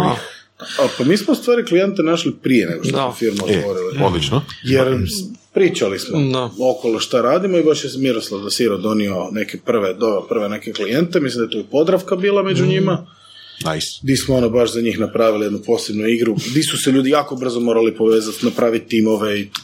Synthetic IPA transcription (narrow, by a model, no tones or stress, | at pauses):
pamiːsmoust̪ʋaːɾiklije̞nt̪enaʃlipɾijeneɡot̪osmofiɾmut̪ʋo̞ɾiliod̪lit͡ʃnojeɾpɾiːt͡ʃalismookolˠoʃt̪aɾaːd̪imoibaʃjesmiɾoslˠaʋd̪asiɾod̪o̞nio̞ne̞kepr̩ʋed̪oʋepr̩ʋenekeklijent̪emislimd̪ajt̪oipod̪ɾafkabiːlˠamed͡ʒuɲima | ajsd̪ismoonobaʃzaɲiːxnapɾaːʋilije̞d̪nupo̞ːsebnuiɡɾud̪isuseʎuːd̪ijaːko̞br̩zomo̞ːɾalipoʋe̞ːzat̪napɾaːʋit̪̚t̪imoʋe̞i